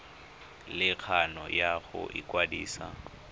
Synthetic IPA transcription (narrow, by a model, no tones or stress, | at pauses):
lɪk͡xʰanɔjaɣʊ̰ʔɪkwadiːsa